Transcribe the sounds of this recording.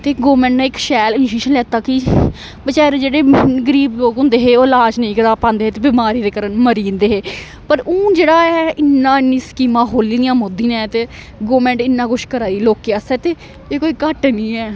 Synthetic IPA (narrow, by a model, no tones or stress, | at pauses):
t̪eːɡoːmɛ̃ːɳʈnãːɪkʃɛːlɪnʃeːʃənlɛːt̪aːkɪ | bət͡ʃɛːɾed͡ʒeːɽeːɡəɾiːboːkʊ̃nd̪eːɦeːoːlaːd͡ʒnəĩːkəɾaːpãːnd̪eːɦt̪eːbɪmaːɾiːd̪eːkəɾənməɾiːnd̪eːɦeː | pəɾʊ̃ːd͡ʒeːɽaːɛːɪnːãːɪnːĩːskiːmãːɦoːliːd̪ɪjãːmod̪iːnɛ̃ːt̪eː | ɡoːmɛ̃ːɳʈɪnːãːɡʊʃkəɾaːiːloːkeaːsɛːt̪eː | eːkoːiːkəʈnĩːɛː